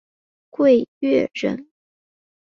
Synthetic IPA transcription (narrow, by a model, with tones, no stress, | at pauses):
kwe˥˧ɪɥɛ˥˧ɻə̰˧˥n